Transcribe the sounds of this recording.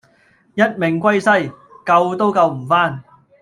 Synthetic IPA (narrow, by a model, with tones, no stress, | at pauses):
jɐ˥t̚mɪ˨˩ŋkʷɐ˥jsɐ˥j | kɐ˧wt̪o˥wkɐ˧wm̩˨˩faː˥˩n